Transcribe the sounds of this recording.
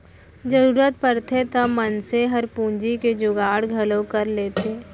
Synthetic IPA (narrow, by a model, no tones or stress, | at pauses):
d͡ʒəɾuːɾət̪̚pəɾt̪ʰet̪ɐmɐnseɦɐɾpũːɲd͡ʒiked͡ʒʊɡaːɽɡʱɐlõkɐɾleːt̪ʰeː